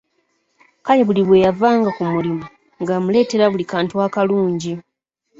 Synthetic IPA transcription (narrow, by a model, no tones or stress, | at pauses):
kajeβuliβwe̞javaːŋɡakumulimu | ŋɡamule̞ːte̞ɾaβulikaːntwaːkaluːɲɟi